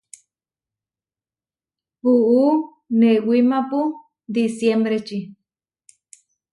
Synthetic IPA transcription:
puʔu | newimapu | d̪isjembɾet͡ʃi

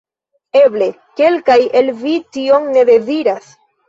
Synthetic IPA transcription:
e̞ble̞ | ke̞lkajelvitio̞ŋneðe̞ziɾas

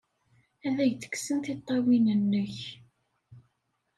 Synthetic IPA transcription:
æðæʝt̪ə̥ksənt̪it̪ˤːɑwinənːəç

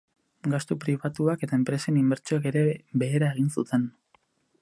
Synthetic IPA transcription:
ɡast̪upɾiβat̪uake̞t̪aempɾe̞senimbe̞ɾt͡ʃoake̞ɾe̞be̞ːɾae̞ɣ̞insṵt̪e̞n

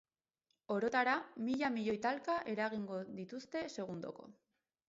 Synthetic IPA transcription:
o̞ɾo̞t̪aɾamiʎamiʎo̞jt̪alkaʔe̞ɾaɣiŋɡo̞ðit̪ust̪e̞se̞ɣ̞und̪o̞̰ko̞̰

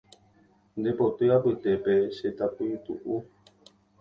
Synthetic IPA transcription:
nd̪epot̪ɨapɨt̪epeʃet̪apit̪ṵʔu

